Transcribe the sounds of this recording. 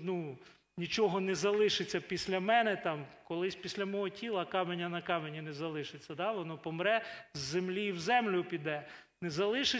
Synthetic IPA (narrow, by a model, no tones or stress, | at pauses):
nu | nʲit͡ʃɔɦɔnɛzɐlˠɪʃɪt͡sʲːɐpʲisʲlʲɐmɛnɛt̪ɑmkɔlˠɪsʲpʲisʲlʲɐmɔɦɔtʲʰilˠɐkɑmenʲːɐnɐkɑmenʲinezɐlˠɪʃɪt͡sʲːɐd̪ɑʋɔnɔpɔmɾɛzːemlʲiːwzɛmlʲʊpʲid̪ɛ | nezɐlˠɪʃɪ